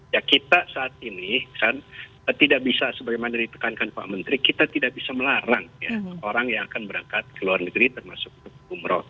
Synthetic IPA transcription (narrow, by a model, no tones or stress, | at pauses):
jakit̪asaːt̪̚inikan | ət̪idaʔbisasəbaɡajmanadit̪ə̥kankanpa̰ʔmənt̪ɾikit̪at̪idaʔ̚bisaməlaɾaŋjaoɾaŋjaŋakanbəɾaŋkat̪̚kəluarnəɡɾit̪ərmasʊk̚ut̪ʊk̚əɡumɾɔ̰